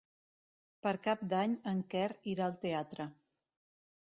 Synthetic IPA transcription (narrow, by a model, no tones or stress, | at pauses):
pəɾkap̚d̪aɲəŋkɛriɾaəlˠt̪eat̪ɾə